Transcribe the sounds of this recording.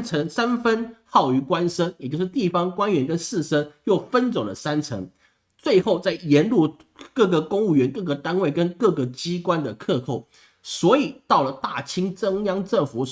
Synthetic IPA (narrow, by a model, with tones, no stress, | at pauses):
t͡sʰə˧˥ŋsa˥nfə˦˥nxɑ˥˩ʊy˧˥kwa˦nʂə˥ŋjt͡ɕjo˥˧ʊʂ̩˥t̪i˥˩fɑ˥ŋkwa˥nɥɛ˧˥nkə˦˥nsɹ̩˥˩ʂə˥ŋjo˥˩ʊfə˦nt͡so˨˩ŋlə˨sa˦˥nt͡sʰə̰˧˥ŋ | t͡swe˥˧ɪxo˥˧ʊt͡sa˥˩ɪjɛ˧˥nlu˥˩ | kɤ˥˩ɡə˩kʊ˥ŋu˥˩ɥɛ˧˦˥nkɤ˥˩ɡə˩t̪a˥nwe˥˩ɪkə˦nkɤ˥˩ɡə˩t͡ɕi˥kwa˦˥nd̪ə˨kʰɤ˥˧kʰo˥˩ʊ | swɔ˧˥i˨˩t̪ɑ˥˩ʊlə˩t̪a˥˩t͡ɕʰi˥ŋʈ͡ʂə˥ŋjɑ˥ŋʈ͡ʂə˥˩ŋfu˨˩˦